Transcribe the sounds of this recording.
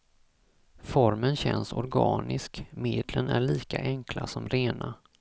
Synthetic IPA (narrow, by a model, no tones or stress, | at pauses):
fɔɾmənɕɛnsɔɾɡɑːnɪskmeːd̪lənæɭiːkaʔɛŋklasɔmɾeːna